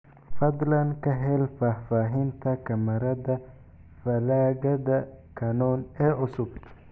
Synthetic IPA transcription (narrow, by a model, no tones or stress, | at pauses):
fɐd̪lɐnkɐɦɛlfafaːɦɪnt̪ʰɐkɐmɐɾɐd̪ɐ | fɐlaːɡɐd̪ɐkʰɐnɔːnɛːʔʊsʊb